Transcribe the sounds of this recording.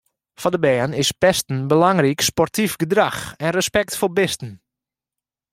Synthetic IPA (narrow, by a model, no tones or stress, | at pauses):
fɔndəbɛːənɪspɛstən̩bəlaŋrikspɔrtifɡədraxɛnrəspɛktfobɪstən̩